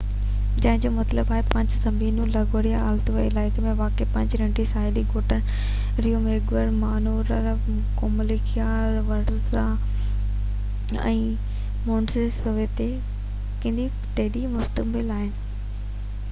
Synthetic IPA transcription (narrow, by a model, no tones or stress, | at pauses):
d͡ʑɐ̃ɦɪ̃ɲd͡ʑoːmɐt̪ləbaːɦepɐ̃ɲd͡ʑsɐmbʱiːnũlɐɡoːɽijaaːlt̪ʋəilaːɪkʰəmẽʋaːkepɐ̃ɲd͡ʑɾɐ̃ɳʈisaːɦɪliɡʱoːʈən | ɾijomeːɡʋəɾmaːnoːɾɐɾ | koːməlikijaːɾʋɐɾza | ɛ̰̃ː | moːɳsesoʋet̪e | kɐ̃nd̪i | ʈeːɗimʊst̪əkbɪlaːɦɪnɪ̆